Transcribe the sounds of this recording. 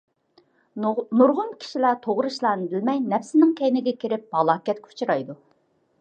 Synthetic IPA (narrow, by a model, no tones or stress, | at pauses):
nuɾʁʊnkʲʰi̥ʃilæt̪ʰoʁɾɨʃlˠɑːnɨdɪlmɛjnɛfsɪnɪŋkʲʰɛjnɪɡʲɛkʲʰeɾɪp̚mɑlˠɑːkʲɛt̪kʲʰu̥t͡ʃʰuɾɑjd̪u